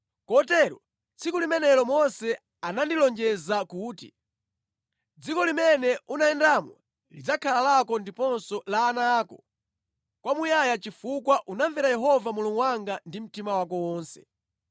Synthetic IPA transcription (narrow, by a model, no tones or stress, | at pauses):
kɔtɛɾɔ̰ | t͡sʰikulimɛnɛlɔmɔnsɛ | anandilɔnd͡ʒɛzakuːtḭ | d͡zikɔlimɛnɛunaɛndamwɛ̰ | lid͡zakʰalalakɔndipɔnsɔlaːnaːkɔ̰ | kwamujajat͡ʃifukwaʔunaɱvɛɾajɛɦɔvamuluŋɡwaŋɡandim̩timawakɔwɔːnsɛ̥̰